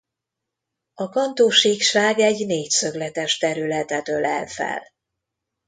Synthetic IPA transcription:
ɒkɒnt̪oːʃiːkʃaːɡɛɟneːcsø̞ɡlɛt̪ɛʃt̪ɛɾylɛt̪ɛt̪ølɛlfɛ̰l

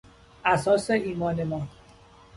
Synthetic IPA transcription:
ʔæsɒːseiːmɒːnemɒː

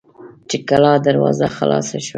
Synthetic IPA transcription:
t͡ʃekalɑd̪aɾwɑzaxalɑ̰saʃwa

